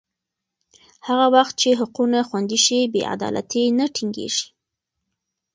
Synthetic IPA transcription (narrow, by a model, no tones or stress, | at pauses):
haɣawaxt̪̚t͡ʃeɦʊqunaxwand̪iʃibḛʔa̰d̪ɑ̰lʔa̰t̪inaʈʰiŋɡḛʒi̥